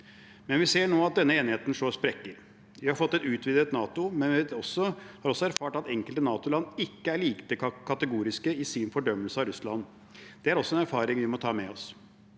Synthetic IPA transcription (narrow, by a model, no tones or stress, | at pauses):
mɛnʋɪseːɳoːɑt̪̚d̪ɛnːəeːnɪheːt̪n̩ʂoːspɾɛkːəɾ | ʋɪhɑɾfɔt̪ːɛt̪ʉːt̪ʰʋɪd̪ət̪nɑːt̪ʊmɛnʋɪɔsːɔhɑːɾɔsːɔæɾfɑːʈɑt̪ɛŋkəlt̪ənɑːt̪ʊlɑnːɪkːəæɾɭiːkt̪əkʰːɑt̪əɡuːɾɪskəɪsɪnfɔɖœmːəlsəɑɾʉslɑnː | d̪̥ɛæɾɔsːɔɛnæɾfɑːɾɪŋʋɪmɔt̪ʰɑːmɛɔs